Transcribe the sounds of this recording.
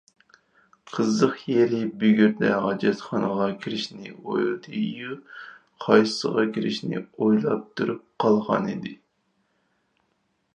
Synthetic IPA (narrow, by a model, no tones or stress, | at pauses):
qʰəzːəqjeɾɪbyɡʲyɾd̪ɛʁɑd͡ʒɛt̪χɑnəʁɑkʲʰiɾɪʃnɪ̰o̰jlˠɨd̪ɨju | qʰɑjsəʁɑkʲʰiɾɪʃnɪ̰ojlˠɑp̚t̪ʰuɾup̚qʰɑlˠʁɑ̰nid̪ɪ